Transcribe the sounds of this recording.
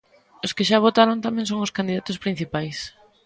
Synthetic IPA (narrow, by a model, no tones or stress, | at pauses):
ʊskɪʃaβ̞ot̪aɾont̪amɛ̃ŋsoŋʊskand̪iðat̪ʊspɾin̟θipajs